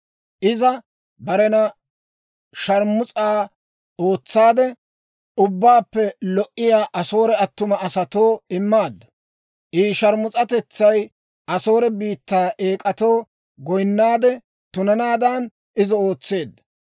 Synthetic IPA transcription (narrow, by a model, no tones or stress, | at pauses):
ʔɪzɐ | bɐɾɛnɐ | ʃɐɾmʊt͡sʼaː | o̞ːt͡sːaːd̪ɛ | ʊbːaːpːɛlɔʔːɪjaːʔɐso̞ːɾɛɐt̪ːʊmɐɐsɐt̪o̞ːɪmːaːd̪ːɐ | ʔiːʃɐɾmʊt͡sʼɐt̪ɛt͡sːɐj | ʔɐso̞ːɾɛbiːt̪ːaːʔeːkʼɐt̪o̞ː | ɡɔjnːaːd̪ɛ | t̪ʊnɐnaːd̪an | ʔɪzɐo̞ːt͡sːe̞ːd̪ːɐ̥